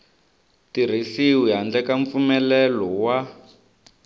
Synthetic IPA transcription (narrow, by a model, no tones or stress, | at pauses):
tir̤iɬiwiɦand͡ɮɛkaɱp̪fumɛlɛlɔwa